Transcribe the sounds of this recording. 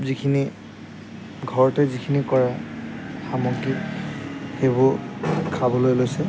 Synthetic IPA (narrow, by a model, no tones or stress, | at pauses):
pzikʰini | ɡʱɔɹɔtɛzikʰinikɔɹa | xamɔɡi | xebʊkʰabɔlojlojsɛ